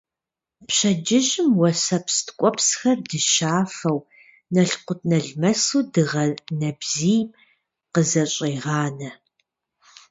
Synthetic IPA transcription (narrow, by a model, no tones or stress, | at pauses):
pɕɐd͡ʒɪʒɪmwɐsɐpstkʷʼɔpsxɐrdɨʃaːfɐw | nɐɬqʷʊt̚nɐɮmɐsuːdɨʁɐnɐbziːjm | qəzɐɕʼiːʁɑːnɐ